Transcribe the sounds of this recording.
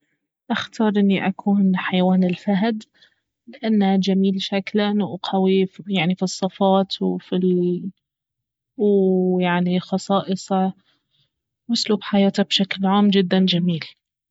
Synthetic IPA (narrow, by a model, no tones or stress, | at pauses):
ʔaxt̪ʰɑːɾˤʔɪnːiʔakʰuːnħajawaːnɪlfaɦd̪ | lɪʔanːad͡ʒamiːlʃaklanuʔqʰawijaʕnifisˤːɨfɑːt̪wfi | wjaʕnixɑsˤɑːʔɨsˤɑ | wʔʊsluːbħajaːt̪abʃaklʕaːmd͡ʒɪd̪ːand͡ʒamiːl